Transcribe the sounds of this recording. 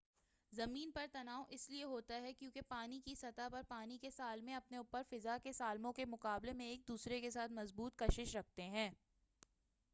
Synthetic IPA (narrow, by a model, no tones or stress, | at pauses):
zɐmiːnpɐɾt̪ɐnaːoʔɪslieɦoːt̪aɦɛkjũːkepaːnikisɐt̪apɐɾpaːnikesaːlmẽɐpneʊpːəɾfɪzakesaːlmõkemʊqaːblemẽeːk̚d̪uːsɾekesaːt̪ʰmɐzbuːt̪̚kɐʃɪʃɾɐk̚ʰt̪eɦɛ̃ː